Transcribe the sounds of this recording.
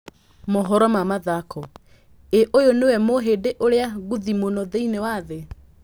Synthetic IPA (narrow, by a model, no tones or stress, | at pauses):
moɦɔɾɔmamaðakʰɔ | eʔojonewɛmoɦedeʔoɾeaɣuðimonɔðeinewaðe